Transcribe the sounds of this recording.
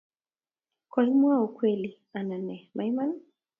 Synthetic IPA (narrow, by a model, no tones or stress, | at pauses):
kwaimwaukwɛli | ananɛmajman